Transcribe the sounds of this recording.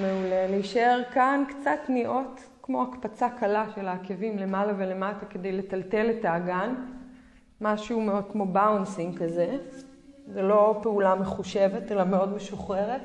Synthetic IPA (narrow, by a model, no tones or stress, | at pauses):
meuleleiʃae̞ʁkankt͡satniʔo̞t | kmo̞akpat͡sakalaʃe̞laːkevimle̞malavele̞matake̞de̞jle̞talte̞letaːɡan | maʃuumeo̞d̪̚kmo̞bawnsiŋkaze | zelo̞peulameχuʃevetelameo̞dme̞ʃuχʁeʁet